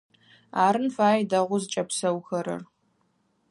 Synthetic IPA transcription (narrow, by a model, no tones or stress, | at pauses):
aːɾɨnfaːjdɐʁʷʊzt͡ʃʼɐpsɐwxɐɾɐ̰r